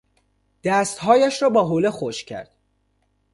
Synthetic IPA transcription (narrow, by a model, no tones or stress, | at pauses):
d̪̥æːst̪hɒːjæʃɾɒːbɒːɦoːlexoʃcʰæ̰ɾd̪̥